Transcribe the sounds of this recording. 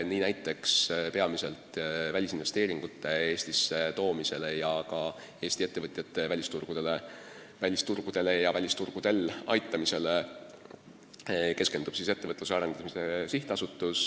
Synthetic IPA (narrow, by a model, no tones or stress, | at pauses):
niːnæjt̪ːˑe̞kspe̞ɑmise̞lt̪vælʲisinve̞st̪eːɾiŋɡ̥ut̪ːˑe̞e̞ːsʲt̪isːe̞t̪o̞ːmise̞le̞jɑkɑ | e̞ːst̪ie̞t̪ːe̞vɤt̪ʲˑjɑt̪ːˑevælʲist̪urɡ̥ud̪ele̞ | vælʲist̪urɡ̥ud̪̥e̞le̞jɑvælʲist̪urɡ̥ud̪̥e̞lɑ̰jt̪ːˑɑmise̞le | ke̞ske̞nd̪̥ub̥sise̞t̪ːevɤt̪ːˑlusɑɾe̞nd̪ɑmise̞siht̪eɑsut̪ːˑus